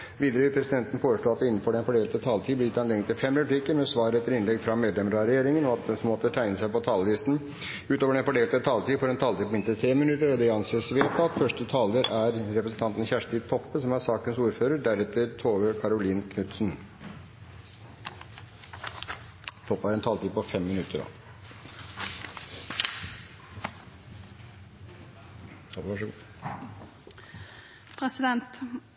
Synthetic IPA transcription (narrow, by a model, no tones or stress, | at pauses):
ʋiːd̪əɾəʋɪlpʰɾɛsɪd̪ɛnt̪ən̩foːɾəʂɭloːɑt̪d̪ɛɪnːn̩fɔɖɛnfɔɖeːlt̪ət̪ʰɑːlt̪ʰiːblɪjɪt̪ːɑnleːŋət̪ɪlfɛmɾɛplɪkəɾmɛsʋɑːɾəɛt̪ːəɾɪnlɛɡfɾɑmeːd̪lɛmɾɑɾɛjeːɾɪŋənɔɑt̪̚d̪ɛsmɔt̪ət̪ʰæɪnəsæɪpɔt̪ʰɑːləlɪst̪n̩ | ʉːt̪oːʋəɖɛnfɔɖeːlt̪ət̪ʰɑːlt̪iːfɔɖɛnt̪ʰɑːlt̪iːpːɔmɪnt̪əɾət̪ʰɾeːmɪnʉt̪əɾɔd̪ɛɑnseːsʋeːt̪ɑt̪fœʂʈət̪ʰɑːləɾæɾɾɛpɾəsn̩t̪ɑnt̪n̩çæʂət̪iːt̪ʰɔpːəsɔmæɾsɑːkənsuːɾføːɾəɖæɾɛt̪ːəɾt̪ʰoːʋəkʰɑɾʊliːnkʰnʉt̪sn | t̪ʰɔpːæɾɛnt̪ʰɑlt̪iːpɔfɛmːɪnʉt̪ːəɾɖɑ̰ | ɑʂ | pʰɾɛsɪd̪ɛnt̪